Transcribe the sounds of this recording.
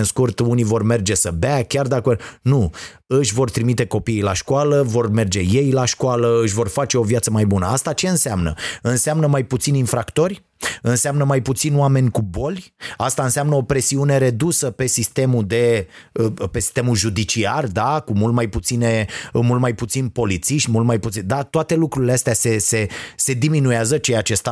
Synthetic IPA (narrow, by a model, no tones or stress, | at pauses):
nskurt̪univo̞rme̞rd͡ʒe̞səbakʲard̪akənu | ɨʃʲvo̞rt̪ɾimit̪e̞ko̞pijilaʃkwaləvo̞rme̞rd͡ʒe̞je̞jlaʃkwaləɨʃ̬ʲvo̞rfat͡ʃe̞o̞vijat̪səmajbunə̰ast̪at͡ʃe̞ɨnseamnə̰ɨnseamnəmajput̪sinʲinfɾakt̪o̞rʲ | ɨnseamnəmajput̪sinoame̞nʲkubo̞lʲast̪aɨnseamnəo̞pɾe̞siune̞ɾe̞d̪usəpe̞sist̪e̞mud̪e̞əpe̞si̥st̪emulʒud̪it͡ʃiard̪akumult̪̚majput̪sine̞mult̪majput̪sinpo̞lit̪siʃt̪ʲmult̪̚majput̪ind̪at̪oat̪e̞lukɾuɾileast̪easese̞se̞d̪iminujeazət͡ʃejat͡ʃe̞st̪a